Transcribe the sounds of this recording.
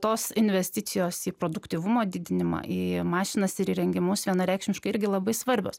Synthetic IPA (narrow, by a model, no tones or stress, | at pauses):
t̪oːsɪnʲʋʲɛsʲt̪ʲɪsʲɪjoːsiːpɾoːd̪ʊkt̪ʲiːʋʊmoːd̪ʲɪd̪ʲɪnʲɪmɑ̰ʔiːmɑːʃʲɪnɐsɪɾiːɾʲɛŋʲɡʲɪmʊsʋʲiɛnɐɾʲɛɪkʃʲmʲɪʃkɐɪɪɾʲɡʲɪlˠɐbɐɪsʋɐɾʲbʲoːs